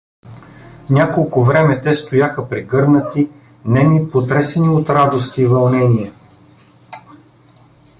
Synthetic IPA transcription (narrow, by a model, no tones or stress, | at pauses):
nʲakolˠkʊvɾɛmɛt̪ɛst̪ojaxəpɾiɡɤɾnət̪i | nɛmipot̪ɾɛsɛniot̪ɾad̪ost̪iːvɐlˠnɛniɛ